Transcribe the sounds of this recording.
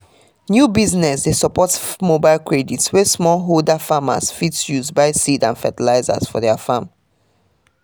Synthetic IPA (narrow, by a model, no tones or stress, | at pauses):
njubiznɛsdesəpɔtmobaɪlˠkɹeditswɛsmɔlɦoldafama̰sfitsjuzbaɪsidã̰nfɛtilaɪza̰zfɔ̰dɛafãm